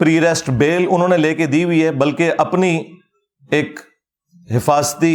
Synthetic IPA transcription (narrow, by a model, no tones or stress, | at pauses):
pɾiːɾɛːsʈbeːlʊn̤ɦõːneleːked̪iːɦʊiːɦɛːbɐlkeʔɐpni | eːk | ɦɪfaːzt̪i